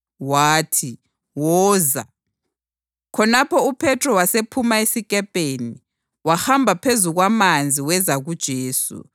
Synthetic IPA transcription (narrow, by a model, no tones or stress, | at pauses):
waːtʰi | wɔːza̰ | kʰɔnapʰɔupʰɛtʰrɔwasepʰumaesikʼɛpʼeni | waxambʱapʰezuɣwamand͡zʱiwɛzaɣud̥ʒ̥ʱeːsṵ